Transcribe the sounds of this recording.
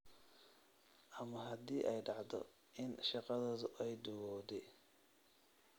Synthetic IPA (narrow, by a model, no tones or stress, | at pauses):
ʔɐmɐɦɐd̪iːʔɛjɖɑʕd̪ɔ̰ | ʔɪnʃɑqɑðɔːðʊʔɛjd̪ʊwɔːd̪ɛ